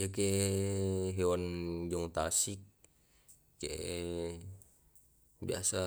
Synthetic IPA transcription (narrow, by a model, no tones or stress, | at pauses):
ake | ɦewand͡ʒɔŋt̪asik̚ː | eʔ | bia̰sa